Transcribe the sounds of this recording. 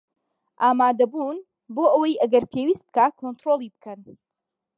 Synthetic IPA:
ʔaːmaːd̪ɐbuːn | boːʔəwɐjʔɐɡɐɾpʰewiːst̪̚bɨ̥kaːkʰont̪ɾoːlˠiːbɨkʰɐn

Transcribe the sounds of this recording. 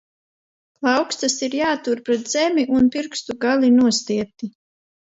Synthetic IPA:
lˠɑwkst̪asiɾjaːt̪uɾpɾɛt̪z̥ɛmʲiʔunpiɾkst̪uɡalʲinuɔst̪iɛt̪i

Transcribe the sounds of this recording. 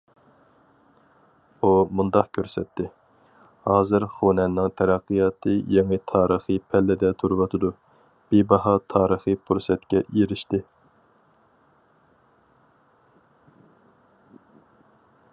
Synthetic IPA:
umund̪ɑqkʲʰøɾsɛt̪ʰːɪ | hɑːzɨɾχonɛnɪŋt̪ʰɛɾɛqːɨjɑːt̪ʰɨjeŋɨt̪ʰɑːɾəχɨpʰɛlːɪd̪ɛt̪ʰuɾɨwɑt̪ʰɨd̪u | b̥ibɑɦɑt̪ʰɑːɾəχɨpʰuɾsɛt̪̚kʲɛjeɾɪʃt̪ɪ

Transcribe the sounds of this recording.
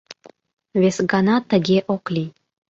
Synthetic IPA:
vesɡanat̪əɡʲeʔoklʲi

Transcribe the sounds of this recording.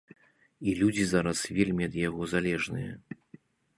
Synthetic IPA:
ilʲud͡zʲizaɾɐsvʲelʲmʲiɐd̪jaɣɔzalʲɛʐnɨ̰jɐ̰

